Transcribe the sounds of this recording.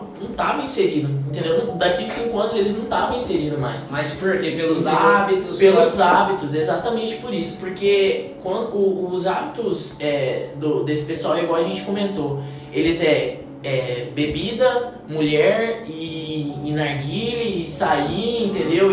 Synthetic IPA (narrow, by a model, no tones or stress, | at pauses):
nɐ̃w̃t̪avɐĩseɾid̪ʊẽt̪ẽnd̪ewnɐ̃d̪akelɪsĩŋkʊɐ̃nʊzelɪznɐ̃w̃t̪avɐ̃w̃ĩseɾĩd̪ʊma̰jsmaspoɾkepelʊzabit̪ʊspelʊzabit̪ʊzezat̪ɐmẽnt͡ʃɪ̥poɾisʊ̥poɾkekwɐ̃nd̪ʊzabit̪ʊz | ɛd̪ʊd̪esɪ̥pesuawiɡwawɐʒẽnt͡ʃɪ̥kõmẽnt̪o | elɪzɛ | ɛbebid̪ɐ | muʎɛɾɪː | naɾɡilɪɪsaiĩnt̪ẽnd̪ew